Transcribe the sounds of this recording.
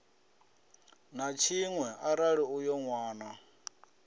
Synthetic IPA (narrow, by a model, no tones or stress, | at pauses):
nat͡ʃʰiŋwɛʔaɾaɺiujɔŋwaːna